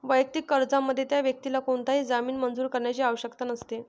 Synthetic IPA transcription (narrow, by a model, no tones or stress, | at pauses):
ʋəjək̚t̪ikːəɾd͡zamːəd̪ʱːjet̪jaʋjək̚t̪ilakoɳt̪aɦiːd͡zamiːnmənd͡zuːɾkəɾɳjat͡ɕiːaʋəɕəkt̪anəst̪e